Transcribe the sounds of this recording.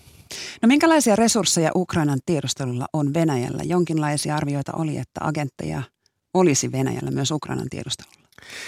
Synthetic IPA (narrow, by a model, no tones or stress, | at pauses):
no̞miŋkælɑjsiɑre̞sursːe̞jɑ̰ʔukrɑinɑnt̪iedust̪e̞lulːɑ̰ʔonʋe̞næjæ̰lːæ̰jo̞ŋk̟inlɑijsiɑɑrʋio̞jt̪ɑ̰ʔoliet̪ːæ̰ɑ̰ɡe̞nt̪ːe̞̰jɑ̰ | o̞lisiʋe̞næ̰jæ̰lːæmyø̞sukrɑ̰jnɑ̰nt̪ḭe̞dust̪elulːɑ̥